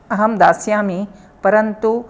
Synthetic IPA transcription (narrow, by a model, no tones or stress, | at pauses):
ɐɦɐmd̪aːsjaːmi | pɐɾɐnt̪u